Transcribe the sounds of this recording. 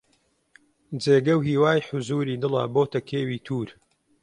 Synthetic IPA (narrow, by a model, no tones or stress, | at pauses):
d͡zeːɡɐwɦiːwaːjħʊzuːɾiːd̪ɨlɐ̰boːt̪ɐkʰeːwiːt̪ʰuːɾ